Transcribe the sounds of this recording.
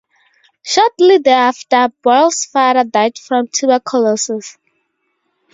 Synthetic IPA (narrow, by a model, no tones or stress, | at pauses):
ʃɔtlidɛaftəbɔlsfaɾədaɪtfɹɔ̃mtʰubəkʰɔlɔsɪs